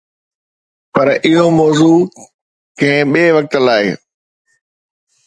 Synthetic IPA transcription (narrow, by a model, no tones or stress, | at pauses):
pɐɾɪɦomɔːzuː | kʰẽːɓeːʋɐk̚t̪əlaːɪ